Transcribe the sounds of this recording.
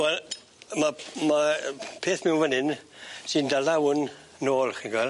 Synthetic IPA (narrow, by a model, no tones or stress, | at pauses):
wɛl | mamapʰeːθmɛwvənɪnsɪndalawnː | oːlˠχinɡwɛl